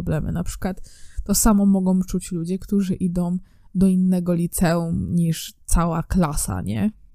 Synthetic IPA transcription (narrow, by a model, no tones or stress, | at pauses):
blɛmɘ̰napʂɘ̥kwat̪ːɔsamɔmɔɡɔ̃w̃t͡ʂut͡ɕlud͡ʑɛkt̪uʐɘʔid̪ɔ̃w̃ | d̪ɔinːɛɡɔlʲit̪sɛumɲiʂt̪sawaklasa̰ɲɛ̰